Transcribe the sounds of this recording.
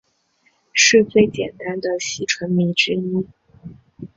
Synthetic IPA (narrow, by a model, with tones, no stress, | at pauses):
ʂɻ̩˥˧t͡swe˥˩ɪt͡ɕjɛ˨˩nt̪a˥nd̪ə˨ɕi˧˥ʈ͡ʂʰwə˧˥nmi˧˥ʈ͡ʂɻ̩˥i˥